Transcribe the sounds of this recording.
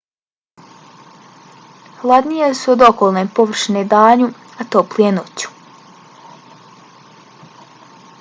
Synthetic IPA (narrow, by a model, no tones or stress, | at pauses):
hlˠad̪nijesuod̪o̞kolˠnempoʋr̩ʃned̪aːɲuat̪oplijenot͡ɕu̥